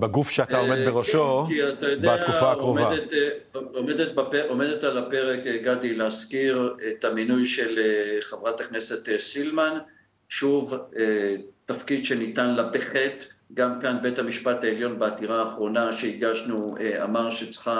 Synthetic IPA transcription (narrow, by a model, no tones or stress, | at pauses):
beɡufʃeataomed̪beʁoʃokiatajodbatakufaːkʁomevadet | omed̪et̪̚bapeʔo̞me̞detalape̞ʁe̞keɡadileaskiʁet̪aminujʃe̞leχevʁatakne̞se̞t̪esilman | ʃuvetafkid̪ʃe̞nitanlabeχet̪ɡamkanbe̞thamiʃpataeljo̞nbeatiʁaːχʁo̞naʃeiɡaʃnuea̰maʁʃet͡sχa